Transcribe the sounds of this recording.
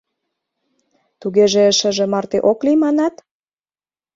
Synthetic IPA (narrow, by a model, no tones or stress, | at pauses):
t̪uɣeʒĕəʃə̆ʒĕmɑrt̪eʔoklimɑnɑt̪